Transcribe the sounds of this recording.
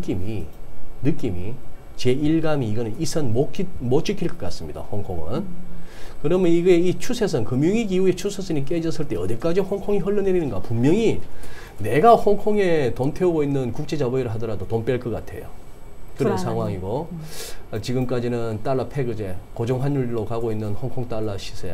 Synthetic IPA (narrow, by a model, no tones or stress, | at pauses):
nɯk͈iminɯk͈imḭ | t͡ɕe̞iɭɡamiːɡʌnɯnisʰʌnmokmot͡ɕ͈ikʰiɭk͈ʌk͈as͈ɯmɲida̰hoŋkʰoŋɯn | kɯɾʌmjʌniɡe̞it͡ɕʰusʰes̬ʰɯnkɯmjuŋiɡiuet͡ɕʰusʰes͈ʰɯnik͈e̞d͡ʑʌs͈ʰɯɭt͈e̞ʌd̪ik͈ad͡ʑihoŋkʰoŋiɦʌɭːʌneɾinɯnɡapumjʌŋi | ne̞ɡahoŋkʰoŋe̞tontʰe̞oɡoinːɯnkuk̚t͡ɕ͈ʰe̞d͡ʑabʌiɾɯɭɦadʌɾadotomp͈jʌɭk͈ʌk͈atʰe̞̰jo̰ | kɯɾesʰaŋɦwaŋiɡo | t͡ɕiɡɯmk͈ad͡ʑinɯnt͈aɭːapʰe̞ɡɯd͡ʑe̞kod͡ʑoŋɦanjuɭːokaɡoinːɯnhoŋkʰoŋt͈aɭːaɕʰi̥sʰe